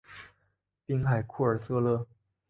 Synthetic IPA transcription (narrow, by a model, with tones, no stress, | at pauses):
pi˥ŋxa˨˩ɪkʰu˥˩ə˞˨˩sɤ˥lɤ˥˩